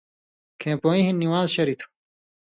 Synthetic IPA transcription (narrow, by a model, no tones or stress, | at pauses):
kʰẽːpoːĩɦinːiwaːzɕɐɾit̪ʰu̥